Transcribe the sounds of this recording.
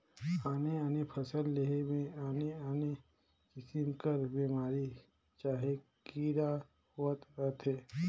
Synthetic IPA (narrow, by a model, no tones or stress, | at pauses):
aːneaːnepʰɐsəlːeɦemẽaːneaːne | kɪsɪmkəɾbiːmaːɾi | t͡ʃaːɦekiːɾa | hoət̪ɾət̪ʰɦɛː